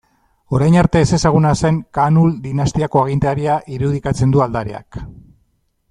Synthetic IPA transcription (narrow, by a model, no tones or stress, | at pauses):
o̞ɾajnaɾt̪e̞ːse̞saɣ̞unase̞ŋkanuld̪inast̪iako̞aɣint̪aɾiaʔiɾuð̞ikat͡se̞nd̪uald̪aɾḛa̰k